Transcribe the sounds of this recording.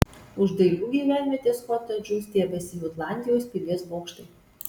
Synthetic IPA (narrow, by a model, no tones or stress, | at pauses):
ʊʒd̪ɐɪlʲuːɡʲiːʋʲæːˑnʲʋʲɛt̪ʲeːskɔːt̪ɐd͡ʒʲust̪ʲiɛbʲɛsʲɪjuːt̪lˠɑˑnʲd̪ʲɪjoːsʲpʲɪlʲiɛsboːkʃt̪ɐɪ